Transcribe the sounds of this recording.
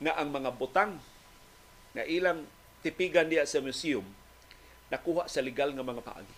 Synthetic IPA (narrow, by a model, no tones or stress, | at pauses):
ŋaʔaŋmaŋabʊt̪aŋ | a̰ʔiːlaŋ | t̪ɪpiɡand̪iaʔsamʊsiʊm | nakuːhaʔsalɪɡalŋamaŋapa̰ʔa̰ɡi